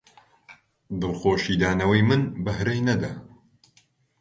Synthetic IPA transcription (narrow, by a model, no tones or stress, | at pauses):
d̪ɨlˠxoːʃiːd̪aːnɐwɐjmɨnbɐhɾɐjnɐd̪ɐ